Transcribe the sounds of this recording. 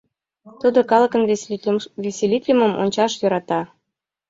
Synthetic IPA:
t̪ud̪ɤ̆kɑlˠɤ̆kɤ̆nʲ | vʲesʲelʲit̪ʲlʲɘ̆mɤ̆mo̰nʲt͡ɕɑʃjŏɾɑt̪ɑ

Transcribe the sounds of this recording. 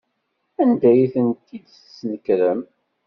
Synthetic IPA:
ænd̪æjiθənt̪id̪θsnəkɾəm

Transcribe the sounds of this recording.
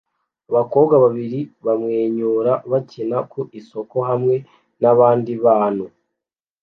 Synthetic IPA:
aβako̞ːβɡaβaβiɾiβamŋeːɲuːɾaβacinakʰuʔiso̞ko̞ɦamŋe̞ | naβaːndiβaːnu

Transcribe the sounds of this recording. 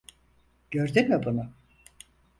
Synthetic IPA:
ɟ̥øɾd̪ymibunʊ

